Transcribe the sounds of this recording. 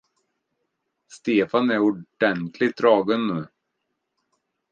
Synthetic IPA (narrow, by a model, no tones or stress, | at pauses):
st̪eːfanæɾʊɖɛnt̪ʰlɪɡt̪̚ɾɑːɡənːʉ̟ː